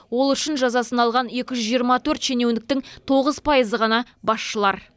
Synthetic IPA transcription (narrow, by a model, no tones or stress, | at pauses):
wo̞lˠʏʃɪnʒɑzɑsənɑlˠʁɑne̞kʲɪʒʏzʒijəɾmɑt̪ʰɵɾt̪ʃe̞ne̞wnɪk̚t̪ɪŋt̪ʰo̞ʁəzpʰɑjəzəʁɑnɑ | bɑsʃəlˠɑɾ